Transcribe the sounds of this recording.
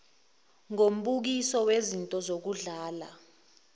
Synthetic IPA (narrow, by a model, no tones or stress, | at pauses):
ŋom̩ɓuk̬isɔwezintʼɔzok̬uɮaːla̰